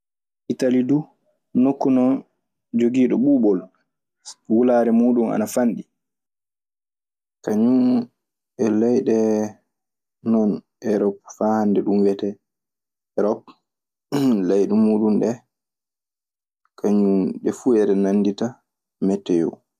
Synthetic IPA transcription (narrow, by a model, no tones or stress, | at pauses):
ʔitalidu | nokːunɔ | d͡ʒoɡiːɗɔɓuːɓɔl | wulaːɾɛmuːɗuma̰nafanɗi | kaɲum | ɛlajɗɛ | nɔn | ɛɾɔp̚fahandɛɗumwɛtɛ | ɾɔp | lajɗɛmuːɗunɗɛ | kʰaɲumɗɛfuɛɾɛnandita | mɛtːɛjɔ̰